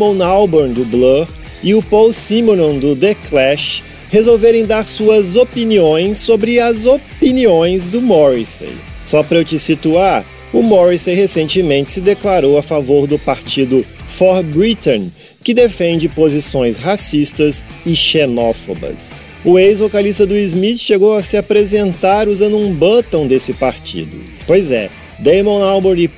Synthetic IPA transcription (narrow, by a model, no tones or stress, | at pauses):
mõnawboɾd̪ʊblo | ɪʊpɔwsĩmõnõd̪ʊd̪eklɛʃ | hezowveɾẽj̃d̪aɾsuɐzopiniõj̃sːobɾɪɐzopiniõj̃zd̪ʊmɔɾisḛjsɔpɾewt͡ʃɪsit̪uaɾ | ʊmɔɾisejhesẽnt͡ʃɪmẽnt͡ʃɪ̥sɪd̪eklaɾowafavoɾd̪ʊpaɾt͡ʃid̪ʊfɔɾbɾit̪õn | kɪd̪efẽnd͡ʒɪpozisõj̃shasist̪ɐz | ɪʃenɔfo̰bɐ̰s | ʊejzvokalist̪ɐd̪ʊizmit͡ʃʃeɡowɐsɪapɾezẽnt̪aɾuzɐ̃nd̪ʊũbɐt̪ɐ̃w̃d̪esɪpaɾt͡ʃḭd̪ʊ̰ | pojzɛ̰ | d̪ejmõawboɾi